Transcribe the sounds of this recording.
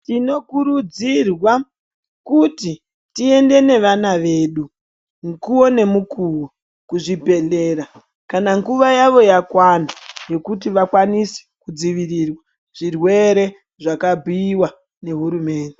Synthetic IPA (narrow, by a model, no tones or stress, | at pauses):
tino̞kuɾud͡zirwa | kuti | tie̞nde̞ne̞ʋanaʋe̞ːɗu | ŋkuo̞ne̞mukuwo | kuʐibʱe̞ɮe̞ːɾa | kanaŋɡuʋajaʋo̞jakwanaje̞kutiʋakwanisi̥kud͡ziʋirirwa | ʐ̥irwe̞ɾe̞ | ʐakabʱiːwa | ne̞ɦuɾume̞ːnde̞